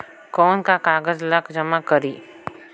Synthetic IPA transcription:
kɔːnkakaːɡəzlɐkd͡ʒɐmakəɾiː

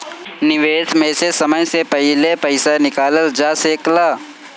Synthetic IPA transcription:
nɪʋeːt̪mẽːsesəməjsepɛɦlepɐɪsanɪkaːləld͡ʒaseːklaː

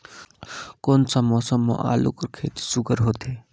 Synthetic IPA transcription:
koːnsəmoːsəmːo̰ʔa̰ːlṵkəɾkʰḛːt̪i̥sʊɡəɾɦoːt̪eː

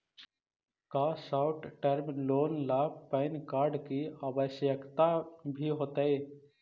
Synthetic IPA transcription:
kaːsaʊʈʈəɾmloːnlapəɪnkaːɾɖkiaːbəʃjəkt̪abʱiɦoːt̪aeː

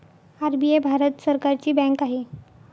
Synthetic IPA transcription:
aɾbiebʱaɾət̪səɾkaɾt͡ɕiːbɛ̃kaɦe

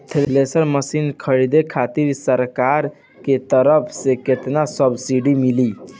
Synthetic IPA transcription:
t̪ʰelelesəɾməsinkʰəɾid̪ekʰat̪iɾsəɾkaɾ | ket̪əɾəpʰseket̪nasəbsiɖimili

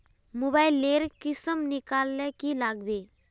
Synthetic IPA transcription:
mobailːeɾkɪsəmnɪkaːlːɛkilaɡbe

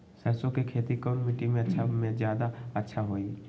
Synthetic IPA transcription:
səɾsõkekʰeːt̪ikɔːnmiʈimẽɐtːʃʰamẽzjaːd̪aətːʃʰaɦoːi

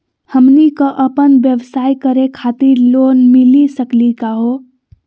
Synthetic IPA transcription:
həmnikəʔəpənbjəʋsaikəɾekʰat̪iɾlonmilisəklikaɦo

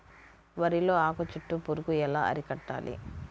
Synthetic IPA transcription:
ʋɐɾilo̞ːaːkɐt͡ʃuʈːupuɾukuɛlaːɐ̰ɾikɐʈːa̰ːlḭ

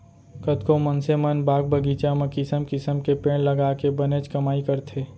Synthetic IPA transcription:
kət̪komənsemənbaːɡ̚bəɡit͡ʃamẽkɪsəmkɪsəmkepẽːɽ̃ləɡaːkebənet͡ʃkɐmaːikəɾt̪ʰeː

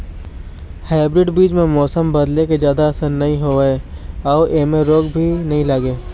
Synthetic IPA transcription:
haːɪbɾɪɖbiːd͡ʒmẽmɔːsəmbɐd̪leked͡ʒjaːd̪aɐsəɾnɐɦĩɦoːeɔːʔeːmẽɾoːɡbʱinɐɦĩlaːɡeː

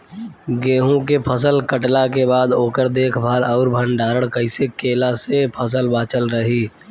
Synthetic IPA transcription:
ɡeːɦũkepʰəsəlkəʈlakebaːd̪oːkəɾd̪eːkʰbʱaːlɔːɾbʱəɳɖaːɾəɽkəɪsekeːlasepʰəs̬əlbaːt͡ʃəlɾəɦiː

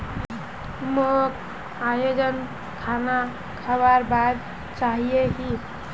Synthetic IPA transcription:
mok | ajod͡ʒən | kʰana | kʰabaɾbad̪ | t͡ʃaɦijeɦi

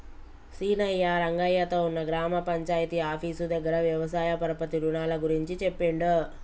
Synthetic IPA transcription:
siːnɐjːaɾɐŋɡɐjɐt̪o̞ːunːɐɡɾaːmɐpɐɲt͡ʃaːjt̪iaːpʰiːsud̪ɐɡːɐɾɐʋjɐʋɐsaːjɐpɐɾɐpɐt̪iɾunaːlɐɡuɾiɲt͡ʃit͡ʃepːeɳɖu

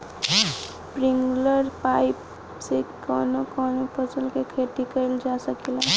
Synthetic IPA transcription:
spɾiŋɡləɾpajp | sekːɔnokɔnopəsəlkekʰeʈikəjld͡ʒasəkila

